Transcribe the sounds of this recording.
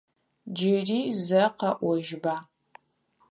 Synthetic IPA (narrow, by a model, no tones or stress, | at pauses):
d͡ʒɪriːzɐqɐʔʷɔʒbaː